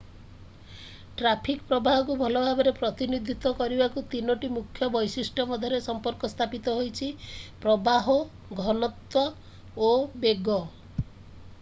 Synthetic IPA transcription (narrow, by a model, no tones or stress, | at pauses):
ʈɾapʰikpɾɔbaɦɔk̬ubʱɔlɔbʱabɔɾepɾɔt̪inid̪ʱit̪ɔkɔɾibakut̪inoʈimukʰːjɔbɔjsisʈʰɔmɔd̪ʱɔɾesɔmpɔɾkɔst̪ʰapit̪ɔɦojt͡ʃʰipɾɔbaɦɔ | ɡʱɔnɔt̪wɔ | obeɡɔ